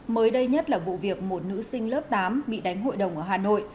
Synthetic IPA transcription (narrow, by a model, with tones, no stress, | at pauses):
məː˨˦jɗə˧jɲə˦˥t̚laː˨˩vṵ˧˨vi˨˩ək̚mo˨˩t̚nɨ̰˧˥sï˧ŋ̟ləː˦˥p̚t̪aː˨˦mɓḭ˧˨ɗa˨˦jŋ̟ɦo̰˧˨jɗə˨˩wŋ͡mʔəː˧˩ɦaː˨˩no̰˧˨jʔ